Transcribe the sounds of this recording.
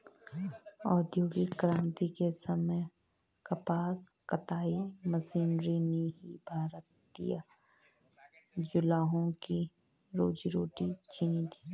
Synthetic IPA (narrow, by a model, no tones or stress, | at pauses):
ɔːd̪joːɡikɾãːnt̪ikesɐməj | kɐpaːskɐt̪aːimɐsiːnɾineɦibʱaːɾət̪̚ːḭjaː | d͡ʒʊlaːɦõki | ɾoːd͡ʒɾoːʈit͡ʃĩnd̪ʰi̥